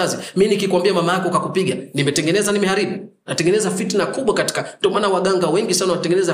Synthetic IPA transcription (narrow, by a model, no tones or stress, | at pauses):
aziminikikwambiamamajakɔkakupiɠanimɛtɛŋɡɛnɛzanimɛhaɾiɓu | natɛŋɡɛnɛzafitnakuɓwakati̥kandiɔmaːnawaɠaŋɡawɛŋɡisanawanatɛŋɡɛnɛza